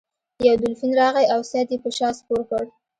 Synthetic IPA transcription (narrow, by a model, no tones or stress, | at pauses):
jawd̪ʊlfinɾɑɣajawsat̪jepəʃɑspoɾkəɽ